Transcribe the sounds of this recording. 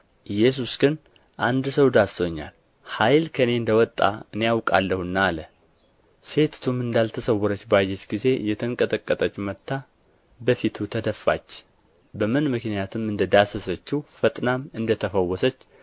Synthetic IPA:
ʔɨjːɛs̬usɡɨn | ʔand̪səwd̪asoɲːa̰l | hajlkʰəne̞ɨnd̪əwɔt̪ʼːa̰ɨnjawkʼa̰lːəhɨnːaːlə | se̞t̪t̪ʰumɨnd̪alt̪ʰəsəwːɔɾət͡ʃːbajːɛt͡ʃːɡize̞jɛt̪ʰəŋkʼət̪ʼəkʼːət̪ʼət͡ʃːmət̪ːa | bəfit̪ʰut̪ʰəd̪əfːa̰t͡ʃː | bəmɨnmɨknijat̪ʰɨmɨnd̪əd̪asəsət͡ʃːufət̪ʼnamɨnd̪ət̪ʰəfəwːɔsət͡ʃː

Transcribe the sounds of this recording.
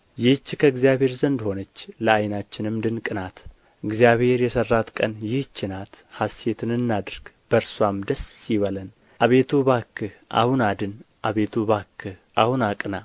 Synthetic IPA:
jɪht͡ʃːkʰəɨɡzijaβhe̞ɾzənd̪ho̞nət͡ʃːləajnat͡ʃːɪnɨmd̪ɨnkʼɨnat̪ | ʔɨɡzijaβhe̞ɾjɛsərːat̪kʼənjɪht͡ʃːɪnat̪hase̞t̪ʰɨnɨnːad̪ɨɾɡ̥ | b̥əɾsuamd̪əsjiβələn | ʔaβe̞t̪ʰuβakʰːɨhʔa̰hunad̪ɨnʔaβe̞t̪ʰubakʰːɨhʔahunakʼɨna

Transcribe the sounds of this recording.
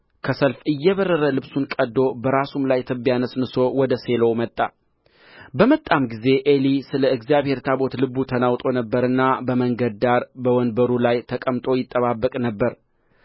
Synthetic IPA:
kʰəsəlfɨjːɛβərːəɾəlɨβsunkʼəd̪ːo̞bəɾasumlajt̪ʰɨbːjanəsnɨso̞wɔd̪əse̞lowmət̪ʼːa | bəmət̪ʼːamɡize̞ʔelisɨləɨɡzijaβhe̞ɾt̪ʰabo̞t̪lɨbut̪ʰənawt̪ʼo̞nəbːəɾɨnːabəməŋɡəd̪aɾbəwɔnbəɾulajt̪ʰəkʼəmt̪ʼo̞jɪt̪ʼːəβabːəkʼnəbːəɾ

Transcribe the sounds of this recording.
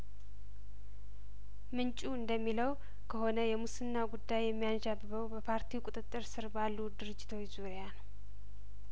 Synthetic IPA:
mɨnt͡ʃʼuɨnd̪əmːiləw | kʰəho̞nəjɛmusɨnːaɡud̪ːajːɛmːijand͡ʒabɨβəwbəpʰaɾt̪ʰikʼut̪ʼɨt̪ʼːɨɾsɨɾbalːud̪ɨɾɨd͡ʒːɪt̪ʰo̞t͡ʃzuɾijanəw

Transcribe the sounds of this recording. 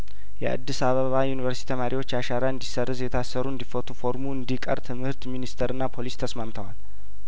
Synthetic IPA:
jɛʔa̰d̪ːisaβəβajunivəɾst̪i̥t̪ʰəmaɾiwo̞t͡ʃːjaʃaɾaɨnd̪isərːɨzjɛt̪ʰasːəɾuɨnd̪ifət̪ʰufo̞ɾmuɨnd̪ikʼə̰ɾt̪ʰɨmhɨɾt̪minist̪ʰəɾɨnːapʰo̞list̪ʰəsmamt̪ʰəwal

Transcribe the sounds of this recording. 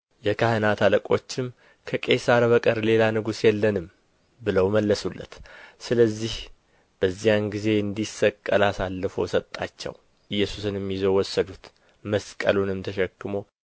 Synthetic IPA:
jɛkʰahɨnat̪ʰaləkʼo̞̰t͡ʃːɪm | kʰəkʼe̞saɾəβəkʼəɾle̞lanɨɡusjɛlːənɨm | bɨləwməlːəsulːə̰t̪sɨləzːih | b̥əzːijanɡize̞ɨnd̪isːəkʼːəlasalːəfo̰sət̪ʼːat͡ʃːɛ̰w | ʔɨjːɛsusɨnjɛmːizəwwɔsːəd̪ut̪ | məskʼə̰lunɨmt̪ʰəʃɛkːɨmo̞

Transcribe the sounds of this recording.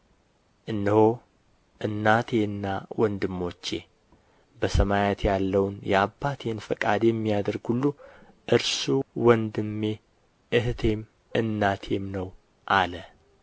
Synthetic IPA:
ʔɨnːɨho̞ | ʔɨnːat̪ʰe̞ɨnːawɔnd̪ɨmːo̞t͡ʃːe̞ | bəsəmajat̪ʰjalːəwnjɛabːat̪ʰenfəkʼad̪jɛmːijad̪əɾɡhulːu | ʔɨɾsuwɔnd̪ɨmːe̞ | ʔɨht̪ʰe̞m | ʔɨnːat̪ʰe̞mnəw | ʔalə

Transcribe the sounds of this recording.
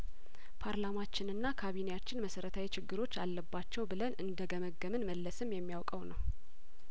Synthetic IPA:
pʰaɾlamat͡ʃːɪnɨnːakʰaβinejat͡ʃːɪnməsəɾət̪ʰawit͡ʃɪɡːɨɾo̞t͡ʃːalːəbːat͡ʃːɛwbɨlənɨnd̪əɡəməɡːəmɨnməlːəsɨmjɛmːijawkʼəwnəw

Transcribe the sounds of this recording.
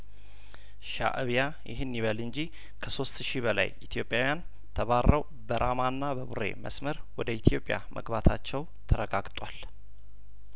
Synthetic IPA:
ʃa̰ʔβjajɪ̰ɦɨnːiβəlɨɲd͡ʒi | kʰəso̞st̪ʃibəla̰jit̪ʰijopʼjawjan | t̪ʰəβarːəw | bəɾʔamanːabəbuɾe̞̰mə̰sməɾwɔd̪əit̪ʰijo̞pʼːja̰mʔəɡbat̪ʰa̰t͡ʃːɛw | t̪ʰəɾəɡaɡt̪ʼwal

